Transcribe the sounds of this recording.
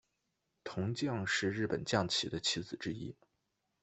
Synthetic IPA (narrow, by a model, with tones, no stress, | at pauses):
t̪ʰʊ˧˥ŋt͡ɕjɑ˥˧ŋʂɻ̩˥˧ɻ̩˥˩pə̰˨˩nt͡ɕjɑ˥˩ŋt͡ɕʰi˧˥d̪ə˦t͡ɕʰi˧˥t͡sɹ̩˨˩ʈ͡ʂɻ̩˥ḭ˥